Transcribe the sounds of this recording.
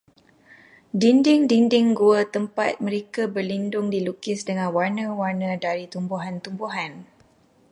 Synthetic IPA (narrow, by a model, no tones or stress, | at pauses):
dindɪŋdindɪŋɡuət̪əmpa̰t̪̚mə̃ɾekabərlindʊŋdilukɪsdəŋãnwarnə̃warnə̃daɾit̪umbuɦant̪umbuɦan